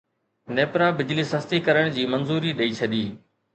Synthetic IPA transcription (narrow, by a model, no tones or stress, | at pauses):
neːpɾãːbɪd͡ʑliːsəst̪iːkəɾəɽ̃d͡ʑiːmənzuːɾiːɗɐiːt͡ɕʰɐd̪iː